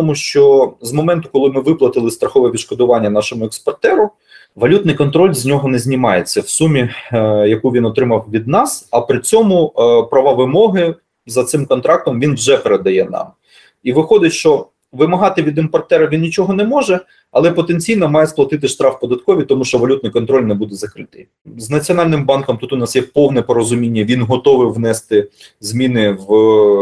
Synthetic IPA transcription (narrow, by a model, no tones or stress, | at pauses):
t̪ɔmuʃt͡ʃɔzmɔmɛnt̪ʊkɔlˠɪmɪʋɪplˠɐt̪ɪlˠɪst̪ɾɐxɔʋɛʋʲid̪ʃkɔd̪ʊʋɑnʲːɐnɑʃɔmʊɛkspɐrt̪ɛɾʊ | ʋɐlʲut̪nɪjkɔnt̪ɾɔlʲzʲnʲɔɦɔnɛzʲnʲimɑjet͡sʲːɐwsumʲijɐkuʋʲinɔt̪ɾɪmɐwʋʲid̪̚nɑsɐpɾɪt͡sʲɔmʊpɾɐʋɑʋɪmɔɦɪ | zɐt̪sɪmkɔnt̪ɾɑk̚t̪ɔmʋʲinwʒɛpeɾed̪ɐjɛnɑ̰m | iʋɪxɔd̪ɪtʲʃt͡ʃɔ | ʋɪmɐɦɑt̪ɪʋʲid̪ɪmpɐrt̪ɛɾɐʋʲinnʲit͡ʃɔɦɔnɛmɔʒɛ | ɐ̰lˠɛpɔt̪enʲt͡sʲijnɔmɑjɛsplˠɐt̪ɪt̪ɪʃt̪ɾɑfpɔd̪ɐt̪kɔʋʲit̪ɔmuʃt͡ʃɔʋɐlʲut̪nɪjkɔnt̪ɾɔlʲnɛbud̪ɛzɐkɾɪt̪ɪj | znɐt͡sʲiɔnɑlʲnɪmbɑnkɔmt̪ut̪ʊnɑsjɛpɔwnɛpɔɾɔzʊmʲinʲːɐʋʲinɦɔt̪ɔʋɪʋnɛst̪ɪ | zmʲinɪw